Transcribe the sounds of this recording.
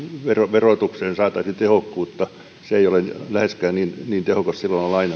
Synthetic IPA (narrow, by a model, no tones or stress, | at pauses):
ʋeroʋerot̪ukseːnsɑːt̪ɑisint̪ehokːuːt̪ːɑ | seeiolenlæheskæːnniːnniːnt̪ehokɑssilːonolɑin